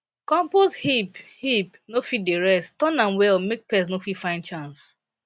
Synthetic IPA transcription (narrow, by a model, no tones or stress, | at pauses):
kɔ̃mposhiphipnofit̚deɹɛstɔ̃nãmwɛlmek̚pɛsnofifãɪ̃ndt͡ʃãns